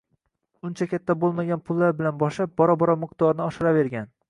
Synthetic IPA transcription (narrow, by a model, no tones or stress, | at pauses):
ʊnt͡ʃʰakʲat̪ʰːabolˠmaɡʲanpʰʊlˠːaɾbɪlanbɒʃlap̚bɒɾɒbɒɾɒmɪqt̪ʰɒɾnɪɒʃɪɾave̞ɾɡʲan